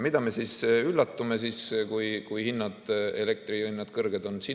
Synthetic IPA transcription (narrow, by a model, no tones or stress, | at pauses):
mid̪̥ɑmesiːsylːɑt̪ːume̞siːskujkujhinːɑd̪̥e̞le̞k̚t̪riinːɑd̪̥kɤrɡ̥e̞d̪̥o̞nsi